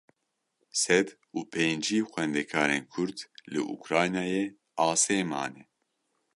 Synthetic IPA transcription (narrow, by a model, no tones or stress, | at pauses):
sɛd̪ | uːpʰeːnd͡ʒiːxʷɛnd̪ɛkʰaːɾeːnkʰʊɾd̪lɨʔṵkɾaːjnaːjeː | aːseːma̰ːnɛ